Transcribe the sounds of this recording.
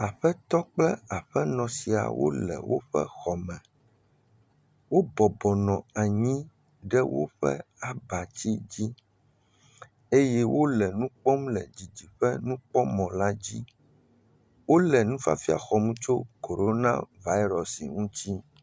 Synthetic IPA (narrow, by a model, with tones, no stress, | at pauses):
a˨ɸɛ˦t̪ɔ˦k͡plɛ˦a˨ɸɛ˦nɔ̃˨si˨a̰˨wo̰˦lɛ̰˨wo˦ɸɛ̰˦xɔ˨mɛ̃˨ | wo˦bɔ˨bɔ˨nɔ̃˨a˨ɲĩ˦ | ɖɛ˦wo̰˦ɸɛ̰˦a˨ba˨t͡ɕi˦d͡ʑi˦ | e˦jɛ˦wo˦lɛ˨nũ˦k͡pɔ˦mlɛ˨d͡ʑi˨d͡ʑi˨ɸɛ˦nũ˦k͡pɔ˦mɔ̃˨la˦d͡ʑi˦ | wo˦lɛ˨nũ˦fa̰˦fi˦a̰˨xɔ˨mũ˦t͡ʃo˦ko˨ɾo˦nã̰˦va˦i˦ɾɔ˨sḭ˨ŋũ˦t͡ɕi˦